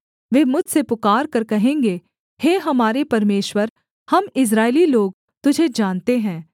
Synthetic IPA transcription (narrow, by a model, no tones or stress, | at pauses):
ʋeːmʊd͡ʒʱsepʊkaːɾkɐɾkɐɦẽːŋɡeː | heːɦɐmaːɾepɐɾmeːʃwəɾ | hɐmɪs̬ɾaːɪliloːɡ̚ | t̪ʊd͡ʒʱed͡ʒaːnt̪eɦɛ̃ː